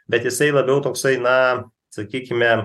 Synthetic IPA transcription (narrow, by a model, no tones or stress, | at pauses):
bʲɛt̪jɪsɐɪlˠɐbʲɛʊt̪oːksɐɪnɐ | sɐkʲiːkʲɪmʲɛ